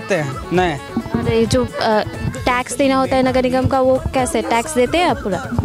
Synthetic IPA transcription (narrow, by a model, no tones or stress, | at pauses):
t̪eɛ̃nɐĩ | ɔɾed͡ʒoː | ʈɛːkst̪inaɦoːt̪aɦɛnɐɡənɪɡəmkaʋokɛːseɛʈɛːksd̪eːt̪eɦɛ̃apuːɾa̰